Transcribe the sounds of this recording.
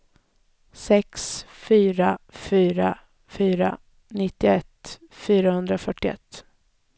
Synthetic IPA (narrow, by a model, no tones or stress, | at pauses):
sɛksfyːɾafyːɾa | fyːɾa̰ | nɪt̪ːɪɛt̪ː | fyːɾahɵnd̪ɾafœʈːɪɛ̰t̪ː